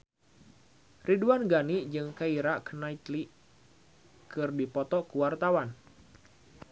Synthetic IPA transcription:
riduanɡanid͡ʒɨŋkaiɾakənait̪li | kɨrdipɔt̪ɔkuwart̪awan

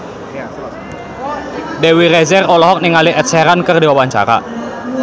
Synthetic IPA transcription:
dewiɾɛzɛrɔlɔɦɔk̚niŋaliʔɛt̪̚sɛɾankərdewawaɲt͡ʃa̰ɾa̰

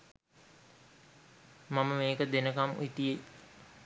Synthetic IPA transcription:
maməmeːkəd̪enəkamit̪ije

